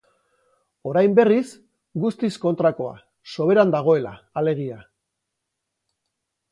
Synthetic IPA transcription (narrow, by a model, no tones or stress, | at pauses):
o̞ɾajmbe̞ris | ɡust̪isko̞nt̪ɾako̞a̰ | so̞β̞e̞ɾand̪aɣ̞o̞e̞la̰ːle̞ɣ̞ia